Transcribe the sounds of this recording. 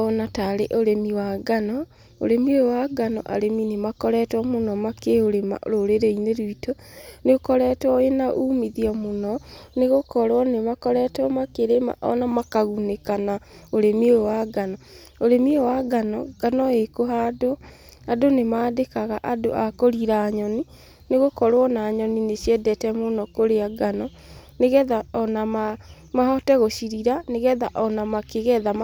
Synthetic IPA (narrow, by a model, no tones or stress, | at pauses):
ɔnataɾeʔoɾemiwaɡanɔ | o̰ɾemioowaɡanɔ̰ʔa̰ɾeminemakɔɾɛtwɔmonɔmakeoɾema̰ɾoɾeɾeineɾwito | neokɔɾɛtɔenaʔuːmiðiɔmonɔneɣokɔɾwɔnemakɔɾɛtɔmakeɾema̰ʔɔ̰namakaɣunekanaoɾemioowaɡanɔ | oɾemeowaɡanɔɡ̥anɔekoɦado | adonemaːdekaɣaʔado̰ʔakoɾiɾaɲɔni | neɣokɔɾwɔnaːɲɔninesjɛdɛtɛmonɔkoɾeaɡanɔ | neɣɛðaɔnama | mahɔtɛɣoʃiɾiɾaneɣɛðaʔɔnamakeɣɛða